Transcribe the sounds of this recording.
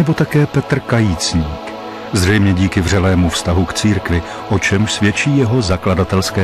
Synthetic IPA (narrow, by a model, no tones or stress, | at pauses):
ɛbo̞t̪akɛːpɛt̪r̩kajiːt͡sɲiːk | zrɛjmɲɛɟiːkɪvr̝ɛlɛːmufst̪aɦukt͡siːɾkvɪ | ʔo̞t͡ʃɛmʃsvjɛt͡ʃiːjɛɦo̞zakladat̪ɛlskɛː